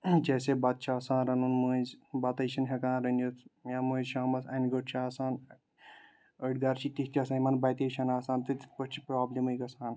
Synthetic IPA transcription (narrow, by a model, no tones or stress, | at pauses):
d͡ʒeːseːbɐt̪̚t͡ʃʰaːsãːnɾɐnunmuːzbɐt̪ɐjʃʰɐnɦʲɐkãːnɾɐnjut̪ʰjaːmuːzʃaːmɐsʰɐnɡoʈt͡ʃʰaːsaːn | əɖɡaɾt͡ʃʰit̪ikt̪ʲasɐjmɐnbɐjt̪ɐjʃʰɐnaːsaːnt̪ɨt̪pɐʈt͡ʃʰipɾaːblʲemɐjkɐsaːn